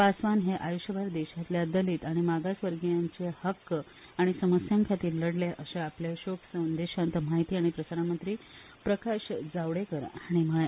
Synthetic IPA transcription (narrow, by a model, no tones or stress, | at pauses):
pasʋanɦeʔajuɕjəbʱaɾd̪eɕat̪ljad̪əliːt̪aɽ̃imaɡasʋəɾɡjaɲt͡ɕehəkː | aɽ̃isəməsjaŋkʰat̪iːlːəɽljaʔəɕeapljaɕoksənd̪eɕant̪əmaɦit̪iːaɽ̃ipɾəsaɾamənt̪ɾiː | pɾəkaɕd͡zaʋɽekəɾaɽ̃iməɭe